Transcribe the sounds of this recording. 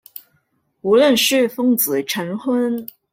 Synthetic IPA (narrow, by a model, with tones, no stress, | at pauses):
u˧˥lə˥˩nʂɻ̩˥˩fɤ˥ŋt͡sɹ̩˨˩ʈ͡ʂʰə˧˥nxwə˥n